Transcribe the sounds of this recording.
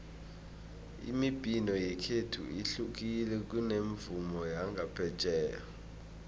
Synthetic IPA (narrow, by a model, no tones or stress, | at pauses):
ḭmib̥ʱinɔjɛkʰetʰṵiɬuk̬ʼilɛk̬uneɱvumɔjaŋɡʱapʰɛt͡ʃʼɛːja